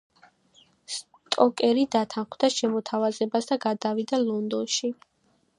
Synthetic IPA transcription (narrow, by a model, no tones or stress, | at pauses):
s | t̪ʼɔkʼɛɾid̪at̪ʰanχmd̪aʃɛmɔt̪ʰavazɛbasd̪aɡad̪avid̪alˠɔnd̪ɔnʃi